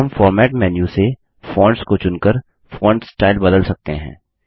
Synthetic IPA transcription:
ɐmfɔːɾmɛːʈmɛːnjuse | fɔ̃ːɳɖskot͡ʃʊnkəɾ | fɔːɳɖsʈaːɪlbɐd̪əlsɐk̚t̪eɦɛ̰̃ː

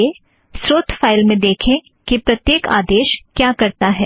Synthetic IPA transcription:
e | sɾoːt̪faːɪlmẽd̪eːkʰẽ | kipɾɐt̪jeːka̰ːd̪eːʃkjaːkɐɾt̪aɦɛː

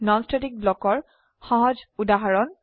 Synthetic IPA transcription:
nɔnstalik̚blɔkɔɹ | xɔɦɔd͡ʒudaɦaɹɔn

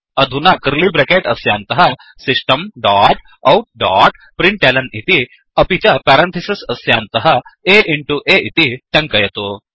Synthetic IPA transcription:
ɐd̪ʱunaːkɐɾlibɾekeːʈɐsja̰ːnt̪ɐɦɐ | sɪsʈɐmɖaːʈ | ɐwʈ̚ɖaːʈ | pɾɪɳʈʈeːlɐnit̪i | ɐpit͡ʃɐpɛːɾɐ̃nt̪ʰisisɐsjaːnt̪ɐɦɐeːʔɪɳʈuʔeːʔit̪iʈɐ̃ŋkɐjɐt̪oː

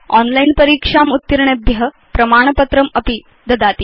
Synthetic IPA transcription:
ɔnlainpəɾikʂamut̪ːiɾɳebʱjəɦə | pɾɐmaːɳ̃pət̪ɾəməpi | d̪ɐd̪at̪i

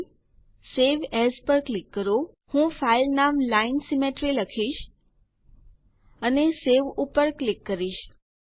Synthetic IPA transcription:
seʋɛspəɾklikːəɾo | hũfailnamlainsimeʈɾiləkʰiʃ | əneseʋupəɾklikːəɾiʃ

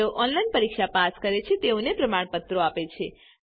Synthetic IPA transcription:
oʔɔnlajnpəɾikʃapaskəɾet͡ʃʰet̪eõnepɾəmaɳ̃pət̪ɾoapet͡ʃʰe

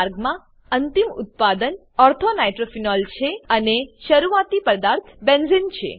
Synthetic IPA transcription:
ɾɡmã | ənt̪imʊ̰t̪̚pad̪ən | ɔɾt̪ʰonajʈɾofinɔlt͡ʃʰeəneʃəɾuat̪ipəd̪aɾt̪ʰbenzint͡ʃʰḛ

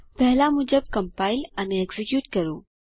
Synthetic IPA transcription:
pɛɦlamʊd͡ʒəb̚kɐmpaːɪlɐneeɡzikjuːʈkɐɾṵ̃ː

